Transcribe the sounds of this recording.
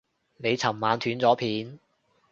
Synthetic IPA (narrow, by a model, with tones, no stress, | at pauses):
ne˨˧jt͡sʰɐ˨˩mːaː˨˧nt̪ʰyː˨˥nt͡sɔː˨˥pʰiː˨˧n